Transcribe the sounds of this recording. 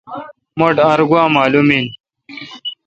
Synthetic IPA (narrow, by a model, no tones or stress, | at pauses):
moʈaɾɡwaːmaːlumiːn